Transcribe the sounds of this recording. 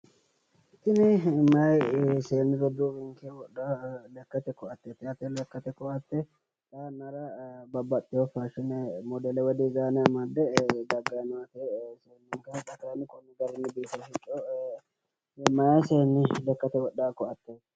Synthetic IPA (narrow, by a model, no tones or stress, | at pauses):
ɪt̪ːɪnɛmɐjseːnːɪd̪ɔd̪uːwɪŋkɛwɔɗalɛkːɐt̪ɛkɔɐt̪ːɛt̪ɛɐt̪ɛlɛkːɐt̪ɛkɔɐt̪ːɛ | t̪ʼɐnɐɾɐbɐbɐt̪ʼːɪjɔfaʃɪnɛmɔd̪ɛlɛwɔd̪ɪzaːnɛɐmad̪ːɛd̪ɐɡːɐjnʊat̪eseːnːʊŋkɛt̪ːɐt̪anɪkʼɔnːɪɡɐɾɪnːɪbeːt̪ːɐʃɪt͡ʃʼːɔ | mɐjseːnːɪlɛkːɐt̪ɛwɔɗaːkːɔɐt̪ːe